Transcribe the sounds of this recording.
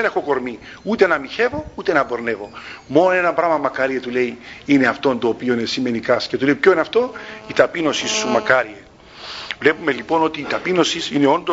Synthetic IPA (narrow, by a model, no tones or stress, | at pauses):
enexoko̞ɾmi | ut̪e̞nɐmiçe̞vo̞ut̪e̞nɐbo̞ɾne̞vo̞mo̞nonenɐmbɾɐmɐmɐkɐɾiet̪ule̞iineɐft̪o̞nt̪oːpio̞inesime̞nikɐsce̞t̪uleipçoineɐft̪o̞it̪ɐpino̞sisːumɐkɐɾie | vle̞pumelipo̞no̞t̪iːt̪ɐpino̞sisine̞o̞nd̪o